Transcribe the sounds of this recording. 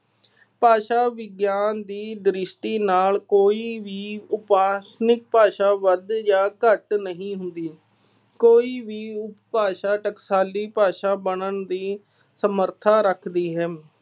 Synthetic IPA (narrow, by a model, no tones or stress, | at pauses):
paːʃaːʋɪɡjaːnd̪iːd̪ɾɪʃʈiːnaːlkoːiːʋiːʊpaːsnɪk̚paːʃaːʋəd̪jãːkəʈnəɦĩːɦʊnd̪iː | koːiːʋiːʊppaːʃaːʈəksaːliːpaːʃaːbəɳəɳd̪iː | səməɾt̪ʰaːɾəkʰd̪iːɦɛː